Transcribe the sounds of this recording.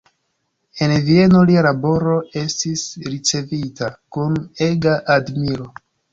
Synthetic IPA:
e̞nvie̞no̞lialabo̞ɾo̞e̞stisɾit͡se̞vitakune̞ɡaʔadmiɾo̞

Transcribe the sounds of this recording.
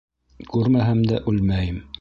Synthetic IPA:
kʉɾmæɦæmd̪æʔʉlmæjɘm

